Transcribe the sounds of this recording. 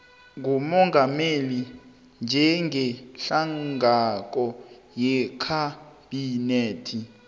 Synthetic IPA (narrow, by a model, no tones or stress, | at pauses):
ŋɡʱumɔŋʱameli | nd͡ʒʱɛŋɛɬaŋɡʱak̬ʼɔ | jɛkʰab̥ineːtʰi